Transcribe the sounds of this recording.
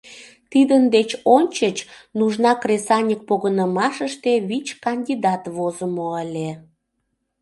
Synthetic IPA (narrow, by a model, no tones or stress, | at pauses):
t̪id̪ənd̪et͡ɕonʲt͡ɕət͡ɕnuʒnɑkresɑnʲik̚poɣənəmɑʃəʃt̪eβit͡ɕkɑnʲd̪ʲid̪ɑt̪βozəmoəlʲe